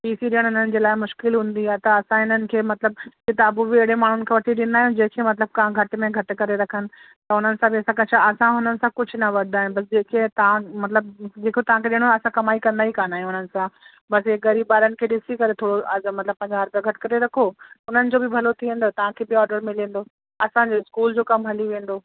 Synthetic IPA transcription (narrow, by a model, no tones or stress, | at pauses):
piːsiɗijəɽ̃ɦʊn̤ənɪ̆d͡ʑeːlaːɪmʊʃkɪlɦũːnd̪iaːet̪ɐːsãɦɪnənɪ̆kʰeːmɐt̪ləb̚kɪt̪ɐbubɪeɽemaːɳ̤ʊnɪkʰeːʋɐʈʰiɗɪnd̪aːɦijũd͡ʑẽːkʰemɐt̪ləb̚kaãɡʱɐʈmẽɡʱɐʈɪ̆kɐɾeɾɐkʰənɪ̆ | t̪ɐʊn̤ənɪ̆sãbiɐsãkɐt͡ɕʰaɐsãɦʊnənɪ̆sãkʊd͡ʑʱʊnɐʋɐɗd̪aːɦɪnbɐs̬d͡ʑeːkʰet̪ɐʋãmɐt̪ləb̚d͡ʑeːkʰot̪ɐʋ̤ãkʰeɗɪ̃ːɽ̃oɐsãkɐmaːikɐ̃nd̪aːɦikaːnaːɦjũʊnənɪ̆sã | bɐsɪːɡɐɾiːbaːɾənɪ̆kʰeːɗɪsikɐɾet̪ʰoːɽoɐmɐt̪ləb̚pɐ̃ɦɪ̃ɲd͡ʑaːɾb̪əɡʱɐʈɪ̥kɐɾeɾɐkʰoʊn̤ənɪ̆d͡ʑoːbɪbʱɐlot̪ʰiʋẽːn̆d̪oːt̪ɐʋ̤ãkʰeːbɪɔːɾɖəɾmɪlẽːn̆d̪oː | ɐsãd͡ʑoɪskuːld͡ʑoːkɐmɦɐliʋẽːn̆d̪oː